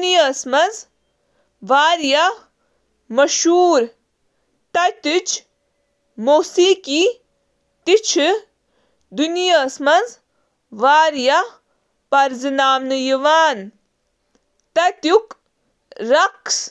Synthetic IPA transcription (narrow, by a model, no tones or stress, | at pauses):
nijasmɐz | ʋaːɾja | mɐʃuːɾ | t̪ɐt̪it͡ʃʰ | moːsiːki | t̪it͡ʃʰ | d̪unijasmɐz | ʋaːɾja | pɐɾzɨnaːmnɨjiʋaːn | t̪ɐt̪juk | ɾɐks